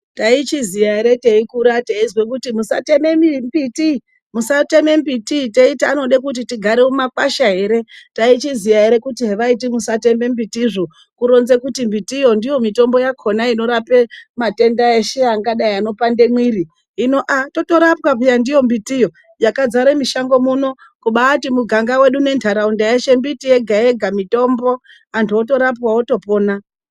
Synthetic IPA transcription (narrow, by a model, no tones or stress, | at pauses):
tait͡ʃizijaɦeɾe̞teikuɾateizwekutimusa̰te̞memimbiti | musate̞me̞mbititeita̰no̞ɗekut̬itiɡʱaɾeumakaʃaɦe̞ɾe̞tait͡ʃizijaɦeɾe̞kutiɦeʋait̬imusate̞mbe̞mbitiʐo | kuɾo̞nzekutimbitijo̞ndijo̞mito̞mbo̞jakʰo̞naino̞ɾape̞mate̞ndaeʃe̞aŋɡaɗaiano̞pande̞mwiɾiː | no̞ʔato̞to̞ɾapwapijandijo̞mbitijo̞ | jakad͡zaɾemiʃaŋɡo̞muno̞ | kuɓatimuɡʱaŋɡawe̞ɗune̞ntʰaɾaundajeʃe̞mbitije̞ɡʱaje̞ɡʱamito̞mbo̞ | antʰuoto̞ɾap̬waoto̞po̞ːna